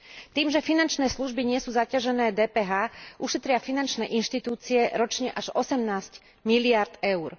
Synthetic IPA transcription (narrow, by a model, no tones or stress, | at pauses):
t̪iːmʒɛfinant͡ʃnɛːsluʒbiɲɪɛsuːzacaʒɛnɛːd̪ɛːpɛːɦaːʔuʃɛt̪ɾɪafinant͡ʃnɛːʔinʃt̪it̪uːt͡siɛɾɔt͡ʃɲɛʔaʒɔsɛmnaːsc | milɪaɾd̪ɛʊɾ